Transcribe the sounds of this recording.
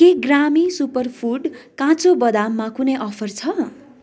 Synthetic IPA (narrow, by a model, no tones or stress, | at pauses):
keɡramisupʌrpʰuɖkãt͡sobʌd̪amːakunʌjʔʌpʰʌrt͡sʰʌ